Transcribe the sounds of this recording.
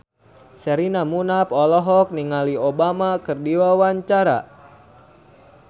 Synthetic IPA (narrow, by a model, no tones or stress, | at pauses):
sɛɾinamunapɔlɔɦɔk̚niŋaliobamakɨrdiwawaɲt͡ʃaɾa̰